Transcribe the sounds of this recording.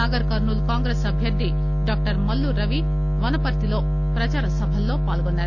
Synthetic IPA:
aːɡɐɾkɐɾnulkaːŋɡɾeːsɐbʱjɐɾd̪ʱi | ɖaːk̚ʈɐɾmɐlːuɾɐʋi | ʋɐnɐpɐɾt̪ilo̞ː | pɾɐt͡ʃaːɾɐsɐbʱɐlːo̞ːpaːlkonːaːɾu

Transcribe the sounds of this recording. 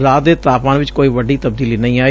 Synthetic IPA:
ɾaːd̪eːt̪aːpãːnʋɪt͡ʃkoːiːʋəɖiːt̪əb̚d̪iːliːnə̃ĩːaː

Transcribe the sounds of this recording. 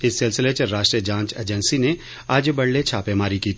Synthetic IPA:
ɪsːɪlsɪlet͡ʃəɾaːʃʈɾijəd͡ʒãːɲt͡ʃḛːd͡ʒɛnsine | aːd͡ʒbɐɽlet͡ʃʰaːpemaːɾikiːt̪ʰ

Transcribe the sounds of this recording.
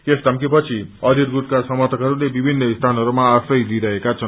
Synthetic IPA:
kesʈamkipʌt͡sʰiʌliɾɡuʈ̚kasʌmat̪ʌkɦʌɾulebibʱinːʌist̪ʰanʌɾumaːsʌjliɾʌɦekat͡sʰʌn

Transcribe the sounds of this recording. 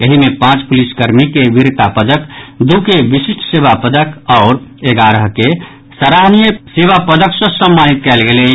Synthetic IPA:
jəɦimepãt͡ʃpuliskəɾmikeʋiɾt̪apəd̪əkd̪ukeʋisiʃʈʰseβapəd̪əkɔːɾeɡaɾəɦke | səɾaɦnijəseʋapəd̪əksə̃səmːanit̪̚kɛɪlɡele

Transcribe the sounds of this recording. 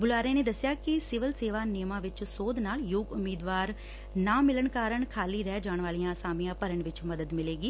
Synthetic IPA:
bʊlaːɾẽːneːd̪əsːɪjaːkɪsɪʋəlseːʋaːneːmãːʋɪt͡ʃsoːd̪naːljʊɡʊmːiːd̪ʋaːɾ | nãːmɪləɳkaːɾəɳkʰaːliːɾɛːd͡ʒaːɳʋaːlijãːəsaːmijãːpəɾəɳʋɪt͡ʃməd̪əd̪mɪleːɡiː

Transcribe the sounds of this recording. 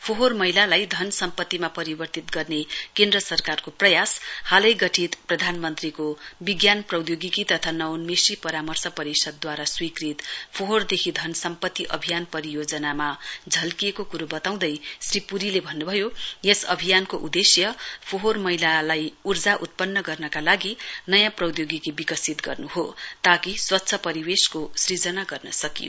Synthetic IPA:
pʰoɦormʌɦilalajd̪ʱʌnsʌmpʌt̪ːimapʌɾibʌrt̪it̪ɡʌrnekend̪rʌsʌrkarkoprʌjashalʌjɡʌʈʰit̪prʌd̪ʱanmʌnt̪rikobiɡjanprʌwd̪joɡikit̪ʌt̪ʰanʌwnmesipʌɾamʌrsʌpʌɾisʌd̪ːwaɾaswikrit̪pʰoɦord̪ekʰid̪ʱʌnsʌmpʌt̪ːiʔʌ̰bʱijanpʌɾijod͡zʌnamad͡zʱʌlkijekokuɾubʌt̪aw̃d̪ʌjsripuɾilebʱʌnːubʱʌjojesʌ̰bʱijankoʔud̪esjʌpʰoɦormʌɦilalajurd͡zaʔut̪̚pʌnːʌɡʌrnʌkalaɡinʌjãprʌwd̪joɡikibikʌsit̪ɡʌ̰rnuɦot̪akiswʌtːsʰʌpʌɾibeskosrid͡zʌnaɡʌrnʌsʌkḭo̰

